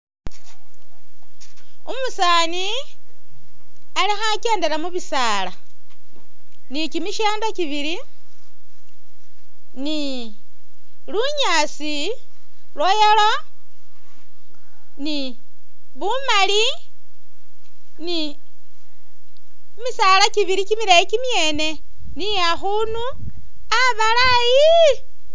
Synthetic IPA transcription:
umusaːni | alixake̞ːndeɾamuβisaːla | nikimiʃeːndakiβiɾi | ni | luɲa | si | lwojelo | ni | βumali | ni | misalakiβiɾikimiɾajikimjeːne | nijaxunu | aβala | jii

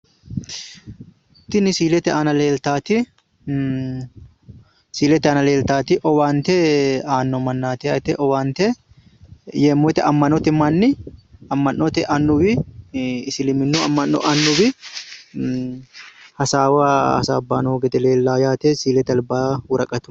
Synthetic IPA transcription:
t̪ːɪnɪsiːlɛt̪ɛʔɐnɐleːlt̪aːt̪ɪ | siːlɛt̪ɛɐnɐle̞ːlt̪aːt̪ɪʔɔwaːnt̪ɛaːnːɔmɐnːaːt̪ɪat̪ɛʔɔwaːnt̪ɛ | jeːmːɔt̪ɛʔɐmːɐnɔt̪ɛmɐnːɪɐmːɐnːɔt̪ɛʔɐnːʊbɪ | ɪsɪlɪmɪnːuɐmːɐnːɔ̰ʔɐnːʊbɪ | hɐsaːwaɐ̰sa̰ːbːaːnoːɡɛt̪ɛleːlːaːjaːt̪ɛsiːlɛt̪ɐlbaːwʊɾɐkʼɐt̪ʊ̥

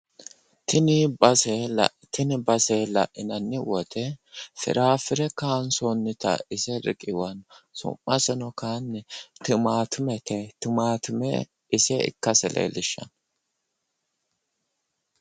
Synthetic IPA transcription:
t̪ɪnɪɐsɛl̰ | t̪ɪnɪbɐselɐ̰ʔɪnɐnːɪwɔt̪ʰɛfɪ̰ɾaːfɪɾɛkaːnsɔnːɪt̪ɐ̰ɪsɛɾɪ̰kʼɪwɐnsʊ̰mːɐsɛnɔkaːnːɛt̪ɪmaːt̪ʰʊmɛt̪ʰɛt̪ɪmaːt̪ʊmɛ̰ | ɪsɛɪ̰kːɐsɛlḛːlɪʃːɐ̰n

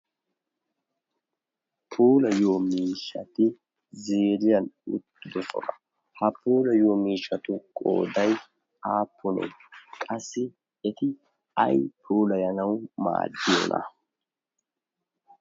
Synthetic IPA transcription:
pʰuːlɐjoːmiːʃːɐt̪ɪ | zeːɾɪjɐnʊ̰t̪ːɪd̪ɔsɔ̰nɐ | hɐpuːlɐjoːmiːʃːɐt̪ʊkʼo̰ːd̪ɐj | aːpʰːʊnḛkʼɐsːɪ | ɛt̪ɪ | ɐ̰jpʰuːlɐjɐnɐwma̰ːd̪ːɪjɔ̰nɐ̰

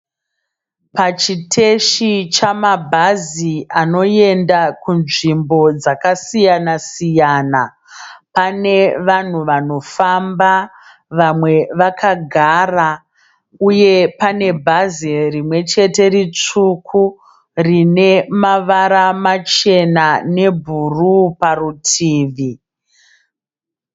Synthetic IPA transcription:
pat͡ʃitʰe̞ʃit͡ʃamabʱaziʔano̞je̞ndakunʐimbo̞d͡zakasijanasijaːna | pane̞ʋan̤uʋano̞famba | ʋamwe̞ʋakaɡʱaːra | uje̞pane̞bʱazirimwe̞t͡ʃe̞te̞ɾit͡ʂukʰu | rine̞maʋaɾamat͡ʃe̞nane̞bʱuruparutʰiːʋi

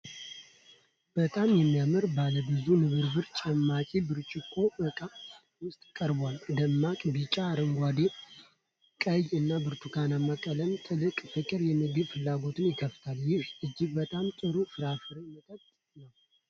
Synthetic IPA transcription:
b̥ət̪ʼamjɛmːijamɨɾbaləbɨzunɨβɨɾbɨɾt͡ʃʼɛmːat͡ʃʼibɨɾt͡ʃʼɪkʰːo̞ʔɨkʼa | wʊst̪ʼkʼəɾbwald̪əmːakʼbɨt͡ʃʼaɾəŋɡʷad̪e | kʼəjɨnːabɨɾt̪ʰukʰanamːakʼələmt̪ʼɨlɨkʼfɨkʼɨɾjɛmɨɡɨβfɨlːaɡo̞t̪ʰɨnjɪkʰəft̪ʰaljɪhʔɨd͡ʒːɪɡbət̪ʼamt̪ʼɨɾufɨɾafɨɾemɨt̪ʰʼət̪t̪ʼ | nəw

